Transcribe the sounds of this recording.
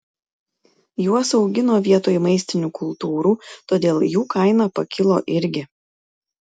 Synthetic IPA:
juɔsɒʊɡʲɪnoːʋʲiɛt̪oːjmɐɪsʲt̪ʲɪnʲuːkʰʊlˠt̪uːɾuːt̪oːd̪ʲeːlˠjuːkɐɪnɑːpɐkʲʰɪlˠo̰ːʔɪɾʲɡʲɪ

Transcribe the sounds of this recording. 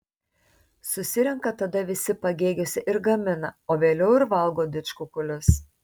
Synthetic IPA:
sʊsʲɪɾʲɛŋkɐt̪ɐd̪ɐʋʲɪsʲɪpɐɡʲeːɡʲoːsʲɪʔɪɾɡɐmʲɪnɐoːʋʲeːlʲɛʊɪɾʋɐlˠɡoːd̪ʲɪt͡ʃkʊkʊlʲʊs

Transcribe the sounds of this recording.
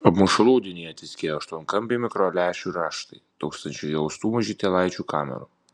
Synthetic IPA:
ɐpmʊʃɐlˠuːd̪ʲɪnʲiːjɛt̪ʲɪsʲkʲeːjoɐʃt̪uɔnkɐmʲpʲimʲɪkɾoːlʲæːʃʲuɾɑːʃt̪ɐɪt̪uːkst̪ɐnʲt͡ʃʲʊjɛʊst̪uːmɐʒʲit̪ʲelˠɐɪt͡ʃʲuːkɑːmʲɛ̰ɾuː

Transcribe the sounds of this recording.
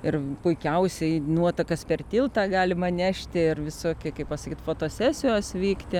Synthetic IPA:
ɪrpʊɪkʲɛʊsʲɛɪnuɔt̪ɐkɐspʲɛrt̪ʲiːlˠt̪ɑːɡɑːlʲɪmɐnʲæʃʲt̪ʲɪɪrʋʲɪsoːkʲɪkɐɪppɐsɐkʲiːt̪foːt̪oːsʲæːsʲɪjoːsʋʲiːkt̪ʲɪ

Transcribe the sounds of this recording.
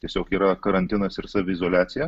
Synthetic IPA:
tʲiɛsʲoːkiːɾɐkɐɾɐnʲt̪ʲɪnɐsɪɾsɑːʋʲɪɪzoːlʲæːt̪sʲɪjɛ

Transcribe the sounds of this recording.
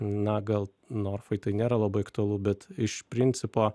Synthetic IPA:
nɐɡɐlˠ | noːrfɐɪt̪ɐɪnʲeːɾɐlˠɐbɐɪɐkt̪ʊɐlˠʊbʲɛt̪ɪʃpʲɾʲɪnʲt̪sʲɪpoː

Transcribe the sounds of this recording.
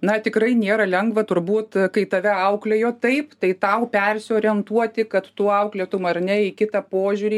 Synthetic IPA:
nɐt̪ʲɪkrɐɪnʲeːɾɐlʲɛŋɡʋɐt̪ʊɾbuːt̪kɐɪt̪ɐʋʲɛɐʊklʲejoːt̪ɐɪpt̪ɐɪt̪ɐʊpʲɛrʲsʲɪoːɾʲiɛnt̪uɔt̪ʲɪkɐt̪t̪uːɐʊklʲeːt̪ʊmɐrnʲɛɪkʲɪt̪ɐpoːʒʲuːɾʲiː

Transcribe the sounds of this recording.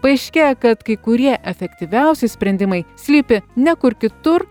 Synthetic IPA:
pɐɛɪʃʲkʲeːjokɐt̪kɐɪkʊɾʲiɛʔɛfʲɛkt̪ʲiʋʲɛʊsʲɪsʲpʲɾʲɛnʲd̪ʲɪmɐɪsʲlʲiːpʲɪnʲɛkʊɾkʲɪt̪ʊɾ

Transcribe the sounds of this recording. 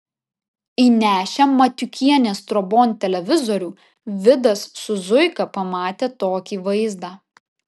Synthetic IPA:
iːnʲæːʃʲɛmɐt̪ʲʊkʲiɛnʲeːst̪ɾɔboːnt̪ʲɛlʲɛʋʲɪzɔɾʲuː | ʋʲɪd̪ɐsːʊzʊɪkɐpɐmɑːt̪ʲeːt̪oːkʲiːʋɐɪzd̪ɑː

